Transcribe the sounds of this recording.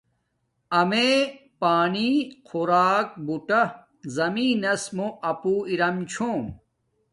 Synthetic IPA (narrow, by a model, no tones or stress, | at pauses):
ɐmepaːniqʰuɾaːk̚buʈɐ | zɐmiːnɐsmoʔɐpuːiɾɐmt͡ɕʰoːm